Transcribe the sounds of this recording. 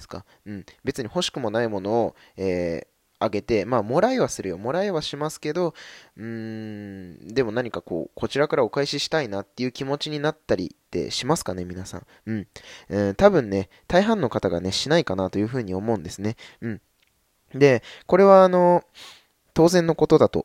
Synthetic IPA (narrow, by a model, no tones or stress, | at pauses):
sɨ̥ka̰ | ɯ̟̃ɴbe̞t͡sɨɲ̟iho̞ɕi̥kɯ̟mo̞naimo̞no̞ː | eː | aɡe̞t̪e̞maːmo̞ɾaiβasɨɾɯ̟jo̞mo̞ɾaiβaɕimasɨ̥ke̞d̪o̞ɯ̟̃ | d̪e̞mo̞naɲ̟ikako̞̰ːko̞t͡ɕiɾakaɾao̞kaiɕiɕi̥t̪ainat̪ːe̞jɯ̟ːkʲimo̞t͡ɕiɲ̟inat̪ːaɾʲḭt̪ːe̞̰ɕimasɨ̥kane̞mʲinasã̰ɴ | ɯ̟̃ːɴɯ̃t̪abɯ̟̃nːe̞ | t̪aiɦãnːo̞kat̪aɡa̰ne̞ɕinaikanat̪o̞jɯ̟ːɸɯ̟ːɲ̟io̞mo̞ɯ̟̃nd̪e̞sɨne̞ɯ̟̃ɴ | d̪e̞ko̞ɾe̞β̞aːno̞ | t̪o̞ːzẽ̞nːo̞ko̞t̪o̞d̪at̪o̞̰